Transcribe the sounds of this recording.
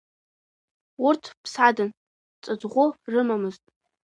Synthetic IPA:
ʊrtʰpʰsadɨn | t͡sʼɨd͡zʁʷʊrɨmamɨztʼ

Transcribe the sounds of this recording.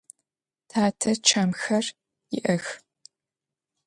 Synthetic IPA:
tʰaːtʰɐt͡ʃʰɐmxɐr | jɪ̰ʔɐx

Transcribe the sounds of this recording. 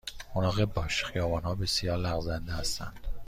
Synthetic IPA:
honɒːɣebɒːʃxijɒːbɒːnhɒːbe̞sijɒːɾlæɣzænd̪ehæst̪æ̰nd̪̥

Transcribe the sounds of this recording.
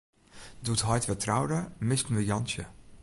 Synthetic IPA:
duətɦɔjtʋətʰrawdəmɪstn̩ʋəjɑnsjə

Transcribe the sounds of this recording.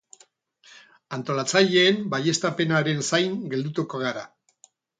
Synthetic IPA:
ant̪o̞lat͡saʎe̞ːmbaje̞st̪ape̞naɾe̞nsajŋɡe̞ld̪ut̪ukoɣ̞aɾa

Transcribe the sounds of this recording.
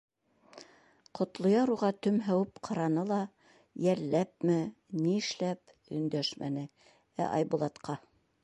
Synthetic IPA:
qʰŏt̪lˠŏjɑɾuʁɑt̪ɵmɦæwɘpqʰɑɾɑnɤlˠɑ | jælːæp̚mɘ | niɘ̆ʃlæp | ɵ̰̆nd̪æʃmʔæ̰nɘ | æ̰ʔɑ̰jbulˠɑt̪qɑ

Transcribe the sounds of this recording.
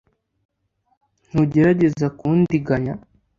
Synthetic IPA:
n̥huɟe̞ɾaɟe̞zakuːndiɡaɲa

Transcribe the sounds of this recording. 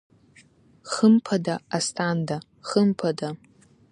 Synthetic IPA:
χəmpʰadaastʰanda | χəmpʰada

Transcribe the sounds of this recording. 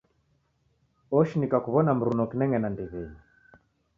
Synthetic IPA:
ɔʃinikakuβɔnam̩ɾunɔkinɛŋɛnandɛβɛɲi

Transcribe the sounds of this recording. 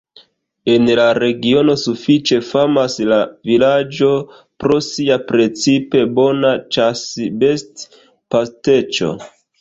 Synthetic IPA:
e̞nlaɾe̞ɡio̞no̞sufit͡ʃe̞famaslavilad͡ʒo̞ | pɾo̞siapɾe̞t͡sipe̞bo̞nat͡ʃasbe̞st | paste̞t͡ʃo̞̰

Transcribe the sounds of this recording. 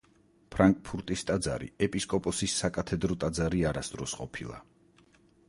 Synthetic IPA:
pʰɾaŋkʼpʰuɾt̪ʼist̪ʼad̪za̰ɾḭɛpʼiskʼɔpʼɔsisːakʼat̪ʰɛd̪ɾɔt̪ʼad̪zaɾiaɾasd̪ɾɔsqʼɔpʰilˠa̰

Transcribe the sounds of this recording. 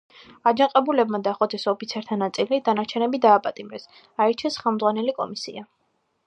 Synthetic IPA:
ad͡ʒaŋqʼɛbulɛbmad̪aχʼɔd̪ʰɛsɔpʰit̪sʰɛɾt̪ʰanat̪sʼilid̪anaɾt͡ʃʰɛnɛbid̪aːpʼat̪ʼimɾɛs | aɛɾt͡ʃʰɛsχɛlˠmd̪zʁwanɛlikʼɔ̰misḭa

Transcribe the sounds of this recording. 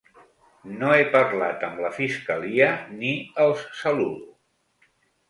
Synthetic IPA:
noepəɾlat̪əmləfiskəliəniəlˠssəlul

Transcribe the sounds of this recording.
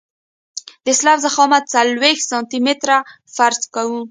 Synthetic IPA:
d̪əɪslɑfzaxɑmat̪̚salwext̪sɑnt̪imet̪ɾa | faɾzkawu

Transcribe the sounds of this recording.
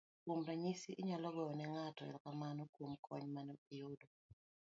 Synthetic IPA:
kwomɾaɲisiʔɪɲalɔɡɔɔnɛŋatɔɛ̰lkamanɔkwomkʰɔɲmanɔiodo

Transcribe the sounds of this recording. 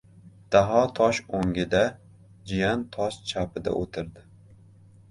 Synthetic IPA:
d̪̥aɦɒt̪ʰɒʃoŋɡʲɪd̪a | d͡ʒɪjant̪ʰɒʃt͡ʃʰapɪd̪a̰ʔot̪ʰɪɾd̪ɪ

